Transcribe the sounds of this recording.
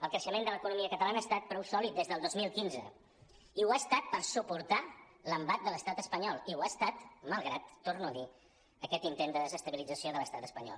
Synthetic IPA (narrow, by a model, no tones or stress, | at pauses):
əlˠkɾəʃəmẽnd̪ələkunumiəkət̪əlanəaːst̪at̪̚pɾɔwsɔlit̪̚d̪ezðəlˠd̪ozmilˠkinzə̰ | iwast̪at̪̚pəɾsupuɾt̪a | ləmbat̪̚d̪ələst̪at̪əspəɲɔlˠiuast̪at̪məlˠɣɾat̪ːornuəði | əkɛt̪int̪end̪əðəzəst̪əβilid͡zəsioðələst̪at̪əspəɲɔ̰lˠ